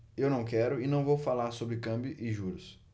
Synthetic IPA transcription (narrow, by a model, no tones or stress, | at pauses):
ewnɐ̃w̃kɛɾʊɪnɐ̃w̃vowfalaɾsobɾɪkɐ̃mbjʊʔɪʒuɾʊs